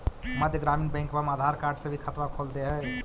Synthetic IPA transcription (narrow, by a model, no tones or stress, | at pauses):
məd̪ʱjəɡɾaminbɛ̃ŋkbəmaːd̪ʱaɾkaɾɖsə̃bʱikʰət̪ʋakʰold̪eɦɛ